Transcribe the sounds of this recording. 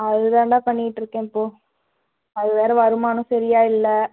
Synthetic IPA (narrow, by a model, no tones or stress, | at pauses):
ɐðɯðãːɳɖãːpɐɳːɪɪʈːɪɾɯkːẽːɪpːoː | ɐðɯʋeːɾɐʋɐɾɯmaːnɯ̃sɐɾɪjaːɪlːɐ